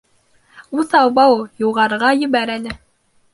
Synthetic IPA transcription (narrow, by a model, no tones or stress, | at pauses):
uθɑwbɑwjuʁɑɾʁɑjɵ̆βæɾælɘ